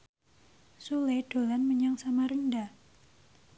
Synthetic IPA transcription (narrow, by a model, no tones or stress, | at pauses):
suleɖ̥o̤lanməɲaŋsamaɾənda